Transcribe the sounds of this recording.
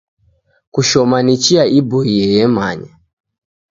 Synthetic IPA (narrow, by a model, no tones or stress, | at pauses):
kuʃɔmanit͡ʃiaʔibɔijɛjɛmaɲa